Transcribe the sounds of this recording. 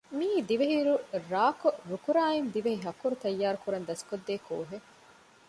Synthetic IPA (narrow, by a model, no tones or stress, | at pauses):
miːd̪iʋeɦiɾuɾaːkoɾukuɾaːend̪iʋeɦiɦɐkːuɾut̪ɐjːaːɾukuɾɐnd̪ɐskod̪ːeːko̰ːɦe